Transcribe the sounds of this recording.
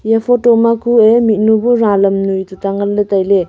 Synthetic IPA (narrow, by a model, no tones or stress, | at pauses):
japʰotɔmakʰuemit̚nubuɾalɐmnujtutaŋɐlːɐtajle